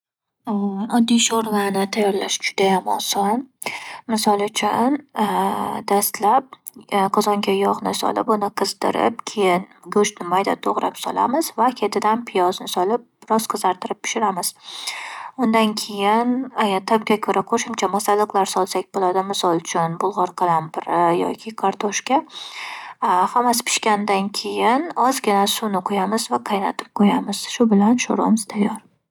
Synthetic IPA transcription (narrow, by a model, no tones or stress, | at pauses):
ɒd̪ːiʃoɾlanɪt̪ʰajɒɾlaʃd͡ʒʊd̪ajamɒ̰sɒnmɪsɒlˠʊt͡ʃʰʊn | d̪ast̪lap̚ | qʰɒzɒŋɡʲajɒʁnɪsɒ̰lˠɪ̰pʊnɪqʰɨzd̪ɪ̰ɾɪ̰p̚kʲʰejɪn | ɡɵʃnɪmajd̪a̰t̪ʰoʁɾapsɒ̰lˠa̰mɪzvakʲʰe̞t̪ʰɪd̪anpʰɪjɒznɪsɒlɪp̚ɾɒsqʰɨzaɾt̪ʰɪɾɪp̚ːɪ̥ʃɪɾamɪz̥ | ʊnd̪ankʲʰe̞jɪnat̪ʰɪb̚ɡʲakʲʰɵɾʔaqʰoʃɪmt͡ʃʰamɒsalˠːɨqlˠaɾsɒlˠsakʲbolad̪ɪmɪsɒlˠʊt͡ʃʰʊnbʊlˠʁɒɾqʰɑlampɪɾɪjɒ̰kʲʰɪkʰaɾt̪ʰoʃkʲa | hamːasɪ̥pʰɪ̥ʃkʲand̪ankʲʰe̞jɪnɒzɡʲɪnasʊnɪqʰʊjamɪzvaqʰɑjna̰t̪ʰɪ̥p̚qʰojamɪz̥ʃʊbɪlanʃoɾɒ̰mɪz̥t̪ʰajːɒɾ